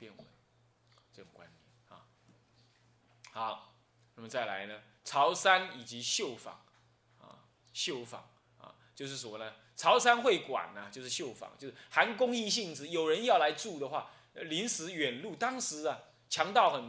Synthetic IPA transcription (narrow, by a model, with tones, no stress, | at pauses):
pjɛ˥˧nwə̰˨˩ | ʈ͡ʂɤ˥˩ʈ͡ʂʊ˨˩ŋkwa˦nɛ˨˩na̰˨˩ | xɑ˨˦ʊ | na˥˩mə˨t͡sa˥˩ɪla̰˧˦ɪnə˧t͡sʰɑ˧˥ʊsa˥ni˨˩t͡ɕi˧˦ɕjo˥˩ʊfɑ̰˨˩˦ŋ | a̰˨˩ | ɕjo˥˨˩ʊfɑ̰˨˩˦ŋ | a̰˨˧ | t͡ɕjo˥˧ʊʂ̬ɻ̩˥˩sə˨mɔ˦nə˦ | t͡sʰɑ˨˧˥ʊsa˦nxwe˥˩ɪkwa̰˨˩nɐ˨t͡ɕjo˥˧ʂɻ̩˥˧ɕjo˥˩ʊfɑ̰˨˦ŋjo˥˧ʂ̩˥˩xa˧˥nkʊ˥ŋi˥˧ɕ̬i˥˨˩ŋʈ͡ʂ̩˨˦jo˨˩ʊɻə˧˦njɑ˥˩ʊla˧˥ɪʈ͡ʂu˥˩d̪ə˩xwa̰˥˩ | li˧˥nsɹ̩˧˥ɥɛ˨˩nlu˥˩t̪ɑ˥ŋʂɻ̩˧˦ɐ˨ | t͡ɕʰjɑ˧˥ŋt̪ɑ˥˩ʊxə˨˩n